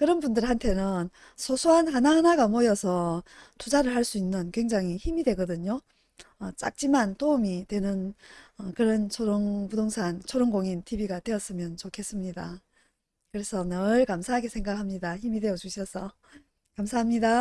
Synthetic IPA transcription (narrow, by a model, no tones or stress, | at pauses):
kɯɾʌnbundɯɾhantʰe̞nɯn | sʰosʰoɦanhanahanaɡamojʌsʰʌtud͡ʑaɾɯɭhaɭs͈uinːɯnkwe̞ŋd͡ʑaŋiçimidwe̞ɡʌdɯɲo | ʌt͡ɕ͈a̰k̚t͡ɕ͈imantoumitwe̞nɯnʌkɯɾʌnt͡ɕʰoɾoŋpudoŋsʰaŋt͡ɕʰoɾoŋɡoŋintʰibiɡatwe̞ʌs͈ɯmjʌnt͡ɕokʰe̞s͈ɯmɲida̰ | kɯɾe̞sʰʌnaɯɭkamsʰaɦaɡesʰe̞ŋɡakʰamɲidaçimidwe̞jʌt͡ɕuɕʰiʌs͈ʰʌ | kamsʰaɦamɲida